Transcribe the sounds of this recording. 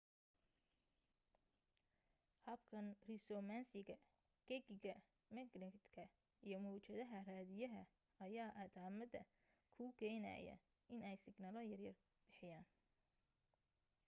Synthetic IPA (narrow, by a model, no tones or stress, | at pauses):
hɐbkʰɐnrɪsɔmaːnsɪɣɐ | ɡ̥ɛɡɪɣɐ | mɛknɪt̪kʰɐ | ijɞmuːt͡ʃɐðɐɦɐraːðɪjɐɦɐ | ɐjaːʔɐd̪aːmɐd̪ɐ̰ | kʰuːɡʰɛjnɐ̰jɐ̰ | ɪnɛjsɪɡnaːlɐjɐrjɐr | b̥ɪħɪjaːn